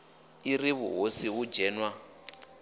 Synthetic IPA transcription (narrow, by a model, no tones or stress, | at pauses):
iriβṵɦosiɦud͡ʒɛːnwa